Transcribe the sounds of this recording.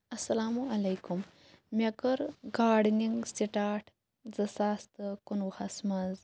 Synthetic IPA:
ɐsɐlaːmuɐlɐjkum | mʲɐkəɾɡaːɖniŋɡsiʈaːʈʰ | d͡zɐsaːst̪ɨkunwhɐsmaz

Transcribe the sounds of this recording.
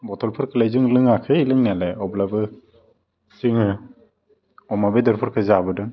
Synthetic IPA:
bɔtɔlpʰɔɾkʰɯlajzɯŋlɯŋakʰɯilɯŋnialeɔblabɯ | siŋɯ | ɔmabedɔɾpʰɔɾkʰɯzaabɯdɯŋ

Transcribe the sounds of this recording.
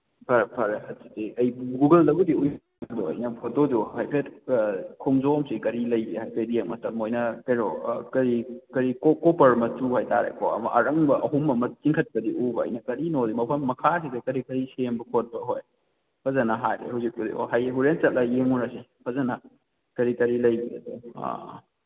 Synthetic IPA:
pʰɐɾpʰɐɾehɐtsidiɐjɡuɡɐldɐɡudiuj | doɐ̰jnɐpʰot̚dɔduhajpʰetkʰumzomsikɐɾilɐjihajpʰedieŋ̚mɐtɐmːojnɐkɐjɾokɐɾikɐɾikokɔpɐɾmɐt͡ʃuhajta̰ɾḛkʰoɐ̰mɐ̰ʔɐɾɐŋbɐʔɐɦumɐmɐt͡ʃiŋkʰɐt̚pɐdiubɐ̰ːjnɐkɐɾinodimɐpʰɐmːɐkʰasidɐkɐɾikɐɾisembɐkʰot̚bɐɦoj | pʰɐzɐnɐɦajɾḛhawzik̚pudḭo̰ɦajɦuɾent͡ʃɐt̚lɐjeŋunɐsipʰɐzɐnɐ | kɐɾikɐɾilɐjbiɐ̰dṵ

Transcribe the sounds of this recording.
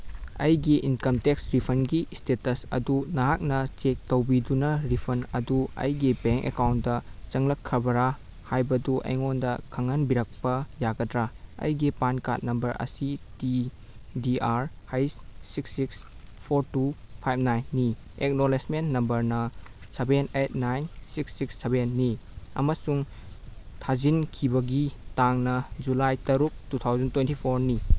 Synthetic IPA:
ɐjɡiʔinkɐmteksɾipʰɐnɡistetɐsɐ̰dunɐɦak̚nɐt͡ʃek̚tɐwbidunɐɾipʰɐnɐ̰duɐ̰jɡibeŋkḛkawnt̚dɐt͡ʃɐŋlɐkʰːɾɐbɐɾa | hajbɐduʔɐ̰jŋondɐkʰɐŋɐnbiɾɐk̚pɐjaɡɐdɾaɐ̰jɡipanka̰t̚nɐmbɐɾɐ̰siti | diaɾhajssiksːiks | pʰoɾtupʰajb̚ʰnajnːi | ek̚nolesmenːɐmbɐɾnɐ | sebenet̚ʰnajnsiksːiksːebenːiɐ̰mɐsuŋ | tʰazinkʰibɐɡitaŋnɐd͡ʒulajtɐɾuk̚tutʰawzɐntwentipʰoɾni

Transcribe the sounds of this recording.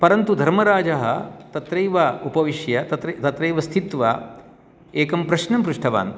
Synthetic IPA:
pɐɾɐnt̪ud̪ʱɐɾmɐɾaːd͡ʒɐɦɐ̰t̪ɐt̪ɾɐjʋɐupɐʋiʃjɐt̪ɐt̪ɾɐt̪ɐt̪ɾɐjʋɐst̪ʰit̪ʋɐ̰ | eːkɐmpɾɐʃnɐmpɾuʂʈʰɐʋa̰ːn

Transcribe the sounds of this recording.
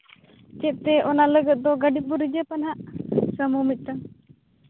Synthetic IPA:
t͡ʃɛt̪̚t̪ɛʔɔnaləɡət̪̚d̪ɔɡəɖibuɾid͡ʒəpanɦaʔsəmumit̪̚ˀt̪a

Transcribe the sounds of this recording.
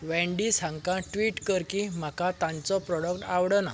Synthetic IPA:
ʋɛ̃ɳɖisãŋɡkãʈʋiːʈkəɾkim̤akãt̪ãnt͡sɔpɾɔɽək̚ʈawɽəna̰

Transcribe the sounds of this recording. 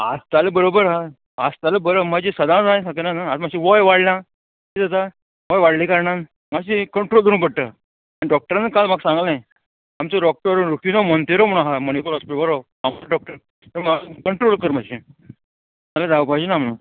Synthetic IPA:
a̰st̪aləbəɾobəɾɦa | ast̪aləbəɾəmad͡ʑisəd̪ãd͡zajsakənanaːt̪m̤aɕiʋɔjʋaɽlã | tid͡zat̪a | ʋɔjʋaɽlikaɾɳan | maɕ̬ikəɳʈɾold̪əɾũpəɽt̪ə | aniɖɔk̚ʈəɾanəkalmaɡsãŋɡlnaj | amt͡sːɖɔk̚ʈəɾɾukʰinɔmənt̪eɾoməɽ̃aɦaməñikoɾɔspiʈbaɾɔ | amalɖɔk̚ʈəɾ | t̪əmakəɳʈɾolkəɾm̤aɕi | t̪alad͡zapajd͡ʑinam̤əɽũ

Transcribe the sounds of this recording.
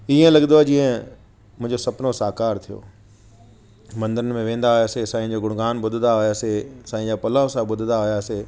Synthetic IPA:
iːẽlɐɠnd̪oad͡ʑĩːə̃ | mʊ̃ɦɪ̃ɲd͡ʑosɐpnosaːkaːɾt̪ʰijo̰ː | mɐ̃nd̪əɾənɪ̆mẽʋẽːnd̪aɦʊjaːsesãːĩd͡ʑoːɡʊɽɡaːnɓʊd̪ʱɪnd̪aɦʊjaːsesãːĩd͡ʑaːpɐlaːʊ̃sãɓʊd̪ʱɪnd̪aɦʊjaːse

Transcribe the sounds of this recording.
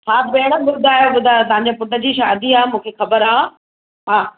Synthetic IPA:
sʰaːbeːɽ̃əɓʊd̪ʱaːjoɓʊd̪ʱajt̪ɐɦãɲd͡ʑepʊʈəd͡ʑiʃaːd̪iaːɦemũːkʰexɐbəɾaː | ɦaː

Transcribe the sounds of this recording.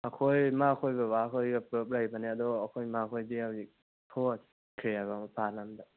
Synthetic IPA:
akʰojmakʰojbabakʰojɡapɾɯp̚ɾajbanead̪ɔːkʰojmakʰojbiawi | tʰɔs | kʰɾijaɡampʰalamda

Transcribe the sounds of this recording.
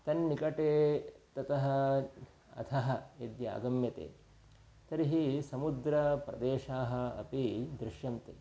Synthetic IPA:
t̪ɐnːikɐʈeːt̪ɐt̪ɐɦɐ | ɐ̰t̪ʰɐɦɐed̪ja̰ːɡɐmjɐt̪ḛː | t̪ɐɾiɦisɐmud̪ɾɐpɾɐ̰d̪eːʃaːɦɐ̆ɐ̰pid̪ɾɪʃjɐmt̪ḛː

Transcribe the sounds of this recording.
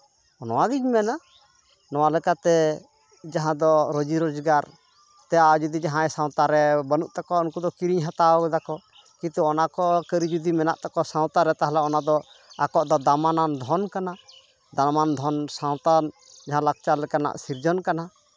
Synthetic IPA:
ɔnɔwaɡid͡ʒmɛna | nɔwalɛkat̪ɛ | d͡ʒaɦãd̪ɔɾod͡ʒiɾɔd͡ʒɡaɾ | t̪ɛjad͡ʒud̪id͡ʒaɦãjsãw̃t̪aɾɛbənuʔt̪akɔɔnkud̪ɔkiɾiɲɦãt̪aɔɡɛd̪akɔ | kit̪uɔnakɔkəɾid͡ʒud̪imɛna̰ʔt̪akɔsãw̃t̪aɾɛt̪aɦalaɔnad̪ɔ | akɔʔd̪ɔd̪amanand̪ʱɔnkana | d̪amand̪ʱɔnsãw̃t̪an | d͡ʒaɦãlak̚t͡ʃalɛkana̰ʔsiɾd͡ʒɔnkana

